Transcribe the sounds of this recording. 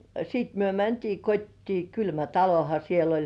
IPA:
jɑ siːt myø mæntiː kotʲtiː kylmæ tɑlohɑ siel olʲ

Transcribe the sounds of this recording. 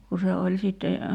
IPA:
ku se olʲ sitːe

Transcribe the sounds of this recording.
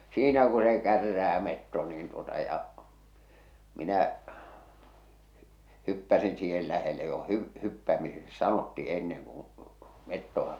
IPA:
siːnæ ku se kærːæː metːo niːn tuotɑ jɑ minæ hypːæsin siːhel læhele jo hy hypːæmiseksi sɑnotːi enːeŋ kũː metːoʋ̆ɑ

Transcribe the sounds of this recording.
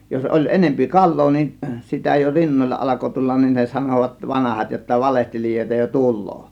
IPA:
jos ʔolʲ enempi kɑlˑoː nin sitæ jo rinːolʲlɑ ʔɑlɑko tulːɑn nin ne sɑnoˑʋɑt ʋɑnɑhɑt jotːɑ ʋɑlehtelijoˑe̝tɑ jo tulˑoː

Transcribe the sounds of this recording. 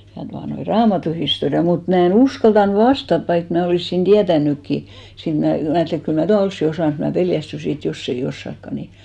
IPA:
jɑ tuɑnoi rɑːmɑtuhistoriɑ mut mæ en uskɑltɑn ʋɑstɑt ʋɑik mæ oliˑsːin d̥iætænːykːi siːn mnæ mæ ɑjɑtːeli et kyl mæ tuɑ olsːi osɑˑn mut mæ peljæstysi et josː ei osːɑkːɑ ni

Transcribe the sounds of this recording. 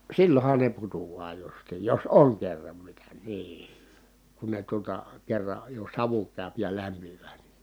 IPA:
silːon̞hɑn ne putuɑː justiːj jos oŋ kerːɑm mitæ niː kun ne tuotɑ kerːɑ jo sɑʋu kæˑy̞p jɑ læmpiʋˑæː ni

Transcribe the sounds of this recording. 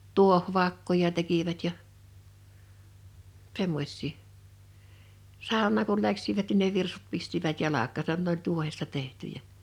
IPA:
tuohʋɑkːojɑ tekiʋæt jɑ semːos̆ʲsiː sɑˑonˑɑːŋ kul læksiʋæt nin ne ʋirsut pistiʋæt jɑlɑkˑɑːsɑn nĕ olʲ tuohestɑ tehtyjæ

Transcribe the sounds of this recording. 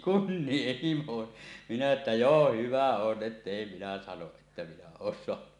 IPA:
kunːieh himo minæ etːæ joː hyʋæ on ʔetːeˑi minæ sɑnoʔ ʔetːæ minæ oːn soɑnu

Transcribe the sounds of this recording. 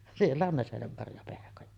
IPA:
sielːæ on næsenemːɑrjɑpehkojɑ

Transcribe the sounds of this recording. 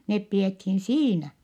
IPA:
nep piethin siːnæ

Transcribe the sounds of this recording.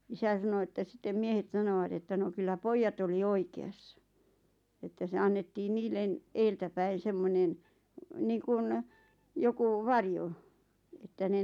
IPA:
isæ sɑno etːæ sĭtːem miehet sɑnoʋɑt etːæ no kylːæ poijːɑt oli oikeɑsːɑ etːæ se ɑnːetːiːn niːlːen eːltæpæin̞ semːonen niːŋkun joku ʋɑrjo etːæ ne

